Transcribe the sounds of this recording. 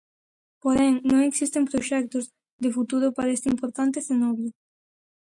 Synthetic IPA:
poɾeŋnõŋeksist̪empɾoʃɛk̚t̪oz | d̪efut̪uɾʊpaɾest̪impoɾt̪ant̪ezenɔβjʊ

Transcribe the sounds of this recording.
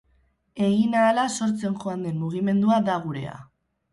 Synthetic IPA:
e̞ɣinaːlaso̞ɾt͡se̞nʝo̞and̪e̞mmuɣ̞ime̞nd̪uad̪aɣ̞uɾe̞̰a̰

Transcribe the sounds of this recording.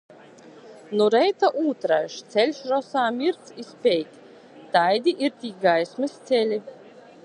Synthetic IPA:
nɔɾɛjt̪aʔuːt̪ɾaʃt̪sʲɛlʲʃɾɔsaːmʲiɾt̪sispʲɛjt̪ʲ | t̪ajd̪ʲiʔiɾt̪ʲiːɡajsmɨst̪sʲɛlʲi

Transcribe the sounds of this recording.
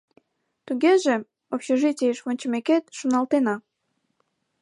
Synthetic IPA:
t̪uɣeʒe | opɕeʒitʲieeʃβonʲt͡ɕəmeket̪ʃunɑlt̪enɑ

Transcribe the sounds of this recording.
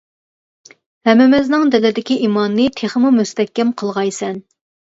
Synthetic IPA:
hɛmɛmɛznɨŋd̪ɛlɪd̪ɪkʲiʔimɑnːɨt̪ʰeχəmumust̪ɛkʲːɛmqʰəlˠʁɑjsɛn

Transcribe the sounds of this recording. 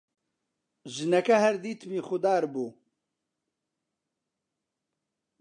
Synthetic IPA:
ʒɨnɛkɐhɛɾd̪iːt̪ʰmiːxʊd̪aːɾbuː

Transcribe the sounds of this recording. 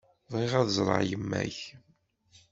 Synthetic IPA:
ðˤʁiʁæðzˤɾˤə̰ʕjəmːæ̰ç

